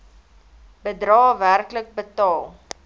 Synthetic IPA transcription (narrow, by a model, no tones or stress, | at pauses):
bədrɑːværklək̚bətɑːlˠ